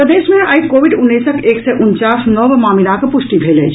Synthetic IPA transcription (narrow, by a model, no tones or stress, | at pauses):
pəd̪eːʃmẽaikoːʋɪɖʊnːiːsəkʰeːksɛʔʊnt͡ʃaːsnɔʋmaːmɪlakepʊʃʈibʱeːlḛːd͡ʒʰ